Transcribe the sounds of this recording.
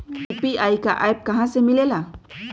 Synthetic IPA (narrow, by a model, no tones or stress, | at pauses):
upiajkaʔajb̚kaɦãsɛmilɛla